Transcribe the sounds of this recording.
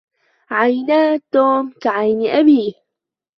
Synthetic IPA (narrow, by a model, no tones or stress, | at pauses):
ʕajnaːt̪oːmkaʕajnʔabiː